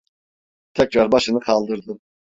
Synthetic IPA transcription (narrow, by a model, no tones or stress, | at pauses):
t̪ʰɛcɾaɾbaʃɯnɯkʰɑlˠd̪ɯɾd̪ɯ